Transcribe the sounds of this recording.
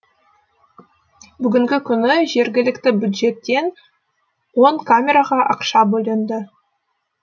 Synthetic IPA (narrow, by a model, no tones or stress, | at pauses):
bʏɡʲɪŋɡʲɪkʲʰʏnɪʒe̞ɾɡʲɪlɪkt̪ɪbʲjud̪ʒe̞t̪ːe̞n | wo̞ɴkʰamʲe̞ɾaʁɑʔɑqʃɑbɵlʲˠend̪ə